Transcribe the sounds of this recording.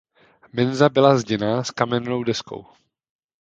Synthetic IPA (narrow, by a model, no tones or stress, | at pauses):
mɛnzabɪlazɟɛnaskamɛnno̞wdɛsko̞̰w